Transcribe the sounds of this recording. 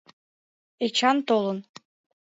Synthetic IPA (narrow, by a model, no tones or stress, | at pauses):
et͡ɕɑnt̪olˠɤ̆n